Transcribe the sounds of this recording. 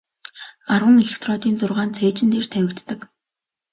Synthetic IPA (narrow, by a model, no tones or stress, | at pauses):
arwə̆ŋeɮĕkt̪ʰrɔːt̪iːnt͡sʊrʁaːnt͡sʰeːt͡ɕɪ̆nt̪eːrt̪ʰæwʲɪ̆kt̪ːə̆k